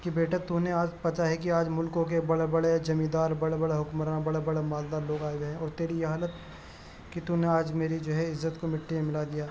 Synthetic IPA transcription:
kibeːʈat̪uneaːd͡ʒpɐt͡ʃaɦɛk̬iaːd͡ʒmʊlkõkebɐɽebɐɽed͡ʒɐmĩːd̪aːɾbɐɽebɐɽeɦʊkməɾãbɐɽebɐɽemaːld̪aːɾloːɡaːeɡɦɛ̃ɔːɾt̪eːɾijeɦaːlət̪ | kit̪uneaːd͡ʒmeːɾid͡ʒoːɦɛɪzːət̪komɪʈʰːimẽmɪlad̪ijaː

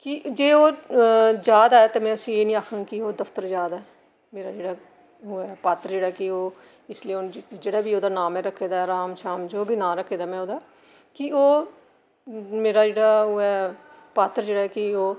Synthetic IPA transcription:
kɪd͡ʒeːoː | d͡ʒjaːd̪aːɛːt̪eːmɛ̃ːəsĩːeːnĩːaːkʰə̃ŋɡkɪoːd̪əft̪əɾzjaːd̪aːɦɛː | meːɾaːd͡ʒeːɽaː | ɦʊɛpaːt̪ɾd͡ʒeːɽaːɛkɪoː | ɪslieond͡ʒeːɽaːbiːoːd̪aːnaːmɛːɾəkʰːeːd̪aːɛɾaːmʃaːmd͡ʒoːbiːnaːɾəkʰːeːd̪aːmɛ̃ːoːd̪aː | kɪoː | meːɾaːd͡ʒeːɽaːɦʊɛː | paːt̪əɾd͡ʒeːɽaːɛkɪoː

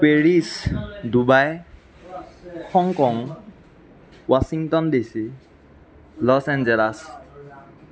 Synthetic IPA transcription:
peɹisdubaj | hɔŋkɔŋ | wasiŋtɔndisi | lɔsɛnd͡ʒɛlas

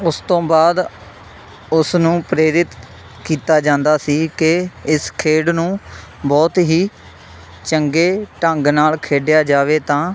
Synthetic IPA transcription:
ʊst̪õːbaːd̪ | ʊsnũːpɾeːɾɪt̪ | kiːt̪aːd͡ʒãːnd̪aːsiːkɪɪskʰeːɽnũː | bɔːt̪ɦiː | t͡ʃəŋɡeːʈəŋɡnaːlkʰeːɖjaːd͡ʒaːʋeːt̪ãː

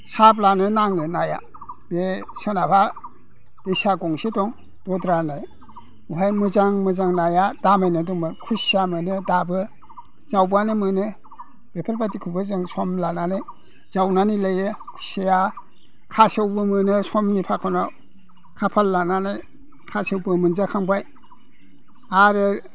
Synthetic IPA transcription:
sab̬lanɯnaŋnɯnaja̰ | b̥esɯnapʰa | d̥ejsaɡɔŋsitɔŋ | d̥ɔdɾanaj | uɦajmɯzaŋmɯzaŋnajadamajnɯdɔmɯkʰusamɯnɯdabɯ | zawbanɯmɯnɯ | b̥epʰaɾbatikʰubɯzɯŋsɔmlananaj | z̥awnanilajɯkʰu̥sija | kʰasewbɯmɯnɯsɔmnipʰakʰawna | kʰapʰalːananaj | kʰasɯwbɯmɯnzakʰaŋbaj | aɾɯ

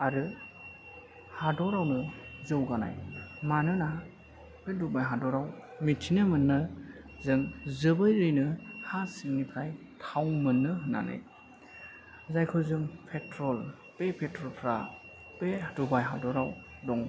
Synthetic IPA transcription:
aɾɯ | hadɔɾawnɯzɯwɡana̰jmanɯna | pedubajɦadɔɾawmitʰinɯmɯnːɯ | zɯŋzɯbɯjɾɯjnɯhasiŋnipʰɾaj | tʰawmɯnːɯɦɯnːa̰nɯ̰j | zajkʰɯzɯŋpʰetɾɔl | pepʰetʰɾɔlpʰɾa | pedubajɦadɔɾaw | dɔŋ

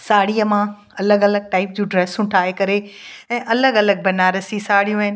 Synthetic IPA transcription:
saːɽiːəmã | ɐləɡɐləɡ̚ʈaːɪp̚d͡ʑũːɖɾeːsʊ̃ʈʰaːɦekɐɾeɛ̃ːʔɐləɡɐləɡ̚bɐnaːɾəsisaːɽijũɦɪnɪ̆

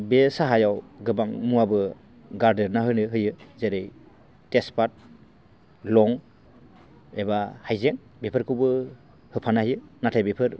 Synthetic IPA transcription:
besaɦajawɡɯbaŋmuabɯ | ɡaɾdeɾnaɦɯnɯɦɯjɯzeɾɯj | tespat̚ | lɔŋ | ebahajzeŋ | bepʰɯɾkʰɯwbɯ | hɯpʰanahɯjɯnatʰajbepʰɯɾ

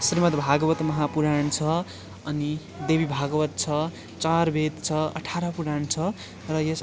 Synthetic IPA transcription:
srimʌt̪bʱaɡʌwʌt̪mʌɦapuɾaɳt͡sʰʌ | ʌni | d̪ebibʱaɡʌwʌt̪̚t͡sʰʌ | t͡sarbʱet̪t͡sʰʌʌ̰ʈʰaɾʌpuɾaɳt͡sʰʌ | rʌjes

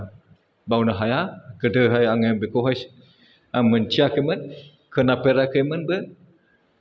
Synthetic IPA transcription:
bawnaɦajaɡədəɦajaŋembekoɦas | amənt͡ʃiakəmən | kʰənapeɾakəmənbə

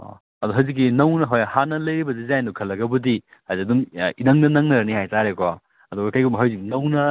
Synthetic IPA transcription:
ɐduɦɐwzik̬ːinɐwnɐɦojhanɐlɐjɾibɐdizajnukʰɐlːɐɡɐbudi | hazikɐduminɐŋnɐnɐŋnɐɾɐnihajtaɾekɔ | ɐduɡɐkajɡumbɐɦɐwziknɐwnɐ

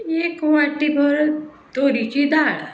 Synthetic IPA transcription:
ekwaʈːibɔɾ | t̪oːɾit͡ʃid̪aːɽ

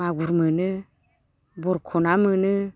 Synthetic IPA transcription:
aɡuɾmənə | bɔɾkʰonamənə

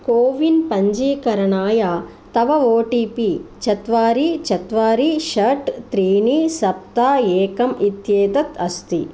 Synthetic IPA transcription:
koːʋinpɐɲd͡ʒiːkɐɾɐɳaːjaː | t̪ɐʋɐʋoːʈiːpit͡ʃɐt̪ʋaːɾit͡ʃɐt̪ʋaːɾiʃɐʈt̪ɾiːnisɐp̚t̪aːeːkɐmit̪jeːd̪ɐt̪ɐst̪i

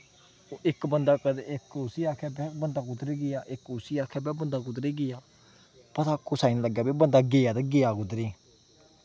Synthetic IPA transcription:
ɪkbənd̪aːkəd̪eɪkʊsiaːkʰɛːbɛbənd̪aːkʊd̪ɾeːɡɪjaːʔɪkːʊsiaːkʰɛbɛːbənd̪aːk̬ʊd̪ɾeːɡɪːjaː | pət̪ʰakːosaːinləɡjaːbibə̃nd̪aːɡeːaːt̪ɛɡeːjaːkʊd̪ɾeː

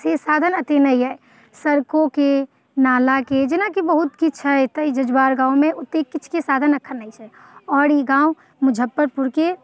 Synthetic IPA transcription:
sesaːd̪ʱənət̪enəiɦɛe | səɾkoke | naːlaked͡ʒɪnakibəɦut̪kit͡ʃʰɦɛɛt̪əid͡ʒəd͡ʒbaːɾɡãːumeʔʊt̪ːekːit͡ʃʰkesaːd̪ʱənəkʰːənnəit͡ʃʰɛ | ɔːɾiɡãːu | mʊd͡ʒʱəpːəɾpuɾke

